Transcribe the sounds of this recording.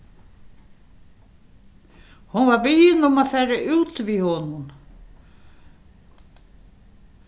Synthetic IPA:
hunvaɾbɪjɪnʊmafɛːɾɪʔuːt̪vihɔnun

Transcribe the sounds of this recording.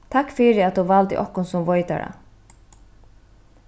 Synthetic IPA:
t̪ʰakːfɪɾɪat̪̚d̪uvalt̪ɪ̰ʔɔhkʊnsʊmvɔjt̪a̰ɾa̰

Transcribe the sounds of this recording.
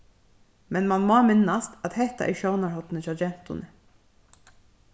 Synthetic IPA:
mɛnmɑnmɑːmɪnɑst̪ɑt̪hɛht̪a̰ʔɛ̰ʃoʊnɑɹhɔt̪n̩ət͡ʃɑd͡ʒɛnt̪ʊ̰nə

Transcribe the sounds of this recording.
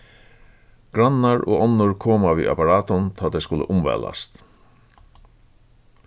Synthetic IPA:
ɡ̥ɾanːaɹo̰ːɔnːʊɹkʰoːmaʋḭːʔa̰paɾaːt̪ʊnt̪ʰaːt̪ʰɛjskʊlə̰ʔʊmʋɛ̰ːla̰st̪

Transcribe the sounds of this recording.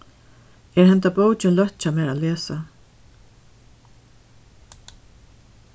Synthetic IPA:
ɛɾhɛnt̪apoːwt͡ʃɪnlœht̪t͡ʃamɛːɾaleːsa

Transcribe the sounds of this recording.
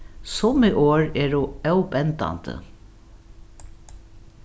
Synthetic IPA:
sʊmiʔoːɹɛːɹʊœwpɛnt̪a̰nt̪ə̰

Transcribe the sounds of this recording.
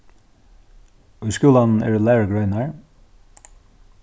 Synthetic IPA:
œʏskʉːlann̩ɛ̰ːɹlæːɡɹœʏnɑɹ

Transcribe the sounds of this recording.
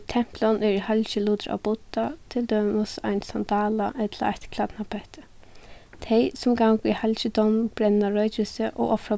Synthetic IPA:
t̪ʰɛm̥plɔnɛɾhalɕɪluːt̪ɪɾa̰wbʊt̪ːat̪ʰɪld̪œmɔsa̰jnsand̪aːla̰ʔɛt̪laa̰ht̪kʰlat̪napʰɛht̪ɪ̥ | t̪ʰɛjsʊmɡawkihalɕəd̪ɔwnbɾɛnnaɹœjt͡ʃɪsɪʔɔ̰ɣʔɔfɹa

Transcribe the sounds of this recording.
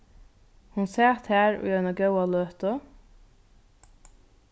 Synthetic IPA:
hʊnseːt̪hæːɾo̰ːjøːnəɡɑʉɑløːt̪ɔ

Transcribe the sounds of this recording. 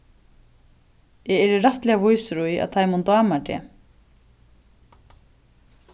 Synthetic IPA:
jɛɛɾɪɾaht̪lɛːɣavujsɾuja̰ðt̪ʰajmunt̪aːmaʈɛ̰ː

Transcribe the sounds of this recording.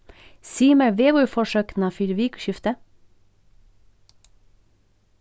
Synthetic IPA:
siːmæəʋeːʋuːfɔʃøːkn̩ɑːfʏɾʋiːkʃʏft̪ə

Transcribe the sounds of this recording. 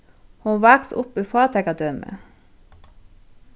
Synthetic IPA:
huʋɑːksʊpyfɑːt̪ʰɛɡɑd̪œmʔə̰

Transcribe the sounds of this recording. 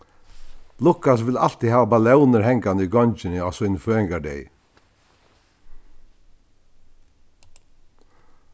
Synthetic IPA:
lʊkas̬ʋɪlal̥t̪ihæːʋabalɛʊnəɾhɛŋkand̪əiɡɔɲt͡ʃɪnəɔsujnføːɪŋɡaɖɛ̰j

